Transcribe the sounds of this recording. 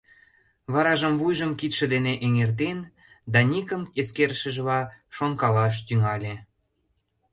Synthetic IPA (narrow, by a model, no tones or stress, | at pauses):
βɑɾɑʒəmvujʒəmkit̪ʃə̆d̪eneʔeŋert̪en | d̪ɑnʲikə̆meskeɾʃə̆ʒəβɑʃoŋkɑlɑʃ̬t̪yŋɑlʲe